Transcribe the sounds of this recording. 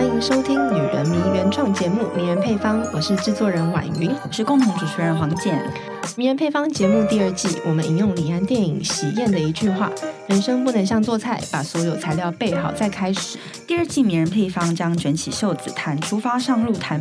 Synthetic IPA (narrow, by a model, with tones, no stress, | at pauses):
i˧˥ŋʂo˥ʊt̪ʰi˥ŋny˨˩ɻə˧˥nmi˧˥ŋɥɛ˧˥nʈ͡ʂwɑ˥˩ŋt͡ɕjɛ˧˥mu˥˩mi˧˥ŋɻə˧˥npʰe˥˩ɪfɑ˥ŋwɔ˨˩ʂɻ̩˥˧ʈ͡ʂɻ̩˥˧t͡swɔ˥˩ɻə˧˥nwa̰˨˩ny˧˥ŋɔ˨˩ʂɻ̩˥˧kʊ˥˧ŋt̪ʰʊ˧˥ŋʈ͡ʂu˨˩t͡ɕʰɛ˧˥ɻə˧˥nxwɑ˧˥ŋt͡ɕjɛ˥˩n̰˨˩ | mi˧˥ŋɻə˧˥npʰe˥˩ɪfɑ˥ŋt͡ɕjɛ˧˥mu˥˧t̪i˥˧ə˞˥˧t͡ɕi˥˩wɔ˨˩mə˦nʔi˨˩jʊ˥˩ŋli˨˩a˥˧nt̪jɛ˥˩nḭ˨˩ŋɕi˨˩jɛ˥˩nd̪ə˩i˧˥t͡ɕy˥˧xwa̰˥˩ɻə˧˥nʂɤ˥ŋpu˥˩nɤ˧˥ŋɕjɑ˥˧ŋt͡swɔ˥˧t͡sʰa˥˩ɪpa˨˩swɔ˧˥jo˨˩ʊt͡sʰa˧˥ɪljɑ˥˧ʊpe˥˩ɪxɑ˨˩ʊt͡sa˥˩ɪkʰa˥ɪʂɻ̩˨˩˦ | t̪i˥˧ə˞˥˧t͡ɕi˥˩mi˧˥ŋɻə˧˥npʰe˥˩ɪfɑ˥ŋt͡ɕjɑ˥ŋʈ͡ʂwə˧˥nt͡ɕʰi˨˩ɕjo˥˩ʊt͡sɹ̩˨˩t̪ʰa˧˥nʈ͡ʂʰu˥fa˥ʂɑ˥˧ŋɻu˥˩t̪ʰa˧˥n